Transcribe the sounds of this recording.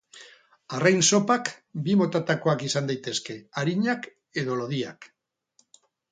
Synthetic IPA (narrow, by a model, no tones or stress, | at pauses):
arajnso̞pakbimo̞t̪at̪ako̞akisand̪ajt̪e̞ske̞aɾiɲak | e̞ðo̞lo̞ðiak